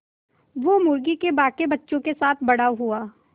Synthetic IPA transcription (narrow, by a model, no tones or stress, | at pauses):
ʋomʊɾɡikebaːkebɐtːʃõkesaːt̪ʰbɐɽaɦuaː